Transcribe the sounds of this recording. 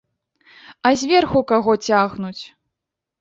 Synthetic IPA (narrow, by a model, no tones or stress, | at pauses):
ɐzʲvʲɛrxukaɣɔt͡sʲaɣnut͡sʲ